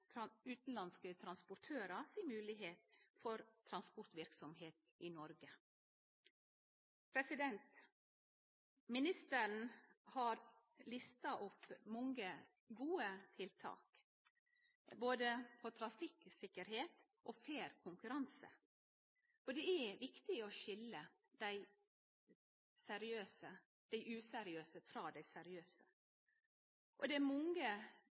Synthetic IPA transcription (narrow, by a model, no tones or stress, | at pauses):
ʉːt̪n̩lɑnskət̪ʰɾɑnspʊʈʰøːɾɑsiːmʉːlɪɦeːt̪fɔɾt̪ʰɾɑnspɔɾt̪ʋɪɾksɔmɦeːt̪ | inɔɾɡə | pʰɾɛsɪd̪ɛnt̪ | mɪnɪst̪əɾɳ̩hɑːɾ | lɪst̪ɑʔɔpːmɔŋɡə | ɡuːət̪ʰɪlt̪ʰɑ̰ːk | boːd̪əpʰɔt̪ʰɾɑfɪksɪkːəɾɦeːt̪ | ʔofeːɾkʰʊŋkʉɾɑnsə̰ | fɔɖ̪ɛæʋɪkt̪ɪɔʃɪlːə | d̪̥æɪ | sɛɾɪøːsə | d̪̥æɪʔʉːsɛɾɪøːsəfɾɑːd̪æɪsɛɾɪøːsə̥ | ʔɔd̪ɛæɾmɔŋə